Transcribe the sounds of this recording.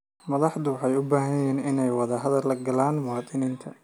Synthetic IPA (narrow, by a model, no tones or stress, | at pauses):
mɐðɑħd̪ʊwɑħɑjʊbaːɦɐjjɛːnɪnɛjwɑðɐɦɐðɐlɐɡɐlaːnmʊwɑːt̪ʼɪniːnt̪ʰɐ